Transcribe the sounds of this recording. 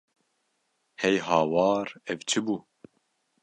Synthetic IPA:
hɛjɦɑːwɑːɾɛvt͡ʃʰɨbuː

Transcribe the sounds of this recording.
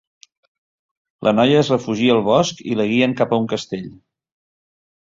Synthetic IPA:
lʔənɔjəːzrəfuʒiəːlˠβɔskḭləɣiəŋkapəuŋkəst̪eʎ

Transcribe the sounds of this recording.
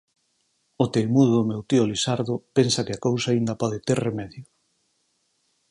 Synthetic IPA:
ʊt̪elmuðoðʊmewt̪iolisaɾðʊpensɐkɪakowsaːind̪ɐpɔðet̪eɾremɛðjʊ

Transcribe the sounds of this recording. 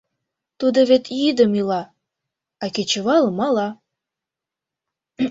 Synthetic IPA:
t̪ud̪oβet̪id̪əmilɑ | ɑket͡ɕə̆βɑləmɑlɑ

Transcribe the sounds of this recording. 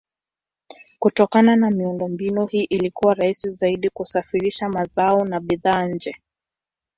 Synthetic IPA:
kutɔkananamiundɔmbinuhiːʔilikuwaɾaisizaiɗikusafiɾiʃamazaɔnaɓiðaːɲ̩d͡ʒɛ

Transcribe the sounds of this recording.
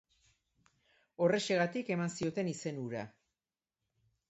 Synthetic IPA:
o̞re̞ʃe̞ɣ̞at̪ike̞mansio̞t̪e̞nise̞nuɾa̰

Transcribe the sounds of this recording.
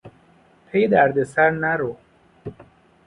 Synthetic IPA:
pʰejd̪æɾd̪esæɾnæɾo

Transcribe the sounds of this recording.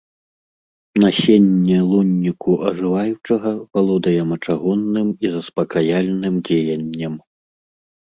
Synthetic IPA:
nasʲenʲːɛlˠunʲːikuʔɐʐɨvajut͡ʂɐɣɐpalˠɔd̪ɐjɛmɐt͡ʂaɣɔnːɨmizɐspɐkajalʲnɨmd͡zʲejɐnʲːɐm

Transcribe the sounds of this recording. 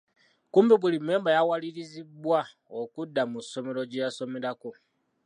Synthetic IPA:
kuːmbiβulime̞ːmbajawaliɾizibwa | okudːamuso̞me̞ɾoɟejaso̞meɾako

